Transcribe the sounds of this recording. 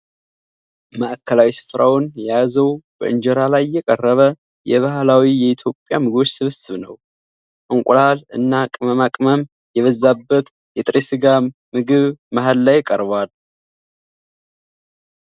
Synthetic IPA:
maʔkʰːəlawisɨ̥fɾawnjazəwb̥ə̰ʔɨnd͡ʒɛɾalajːɛkʼərːəβə | jɛβahlawijɛit̪ʰjo̞pʼːjamɨɡɨβot͡ʃːsɨβsɨβnəw | ʔɨŋkʷʼʊlalɨ̰nːakʼməmakʼməm | jɛβəzːabːət̪ | jɛt̪ʼɾesɨɡamɨɡɨβmaɦalːajɪkʼəɾβal

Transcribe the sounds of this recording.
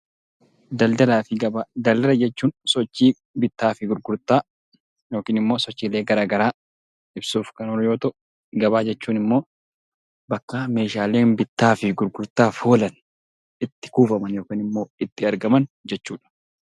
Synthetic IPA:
d̪ɐld̪ɐlaːfɪɡɐbad̪ɐld̪ɐlɐd͡ʒɛt͡ʃːuːnsɔt͡ʃːiː | bɪt̪ːaːfɪɡʊɾɡʊɾt̪aː | jo̞ːkiːnɪmːo̞ːsɔt͡ʃːiːle̞ːɡɐɾaːɡɐɾaː | ɪbsuːfkɐnɔɾjo̞ːt̪ɔʔ | ɡɐβaːd͡ʒɛt͡ʃːuːnɪmːo̞ː | bɐkːɐme̞ːʃaːle̞ːnbɪt̪ːaːfɪɡʊɾɡʊɾt̪aːfoːlɐn | ɪt̪ːɪ̥kuːfɐmɐnjo̞ːkiːnɪmːo̞ːɪt̪ːɪɐɾɡɐmɐnd͡ʒɛt͡ʃːuːᶑɐ̥

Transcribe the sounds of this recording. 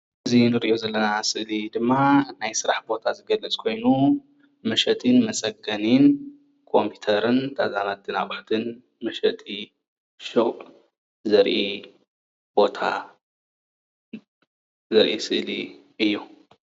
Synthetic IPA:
ʔɨzinɨɾʔo̞zɐlːɐnasɨʔlid̪ɨmːanajsɨɾaħbo̞t̪ʰazɨɡɐlɐt͡sʼkʰo̞jnu | mɐʃɐt̪ʰinmɐsʼɐɡɐnin | kʰo̞mpʰi̥t̪ʰɐɾɨnt̪ʰa̰zanat̪̚ɨna̰ʔʼʊħt̪ʰɨn | mɐʃɐt̪ʼi | ʃo | zɐɾʔi | b̥o̞t̪ʰa̰ | zɐɾʔisɨʔliʔɨjːu

